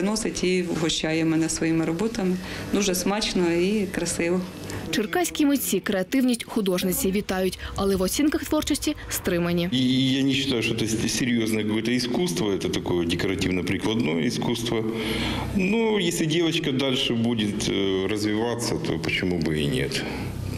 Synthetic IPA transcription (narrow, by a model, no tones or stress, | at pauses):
nɔsʲɐtʲiɦɔɕːajɪmɪnɐsʋɔjimɾɐbɔt̪ɐmɪnuʒɛsmat͡ʃnɔikɾɐsɪʋɔ | t͡ʃɪrkɑsʲkʲimʊt͡sʲikɾeɐt̪ɪwnʲisʲtʲxʊd̪ɔʐnɪt͡sʲiʋʲit̪ɑjʊtʲɐlˠɛʋɔsʲinkɐxt̪ʋɔrt͡ʃɔsʲtʲist̪ɾɪmɐnʲijanʲɪɕːɪt̪ajʊʃʂt̪oɔɛt̪əsʲɪɾʲjo̞znəjəkkojɛt̪əiskust̪ʋɐɛt̪ət̪ɐkojɛdʲɪkɐɾɐtʲivnɐpɾʲɪklˠɐd̪nojə̰ɪskust̪ʋɐ | nojesʲlʲɪdʲevɐt͡ɕkɐd̪alʲʂɨbudʲɪt̪rəzʋʲɪʋat̪sːɐt̪ʰo̰pət͡ɕɪmubɨḭnʲḛt̪